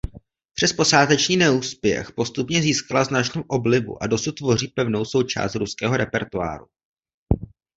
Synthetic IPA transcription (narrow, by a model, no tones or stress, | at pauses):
pr̥ɛspo̞saːt̪ɛt͡ʃniːnɛuːspjɛ̰xpo̞st̪upɲɛziːskalaznat͡ʃnuːʔo̞blɪbṵʔado̞sut̪̚ːvo̞r̝iːpɛvno̞wso̞wt͡ʃa̰ːst̪ɾuskɛːɦo̞ɾɛpɛɾt̪ua̰ːɾu